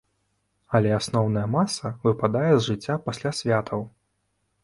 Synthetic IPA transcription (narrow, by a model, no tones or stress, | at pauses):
ɐlʲɛasnɔwn̪ɐjɛmasɐvɨpad̪ajɛzʐɨt͡sʲːapasʲlʲasʲvʲat̪ʰɐw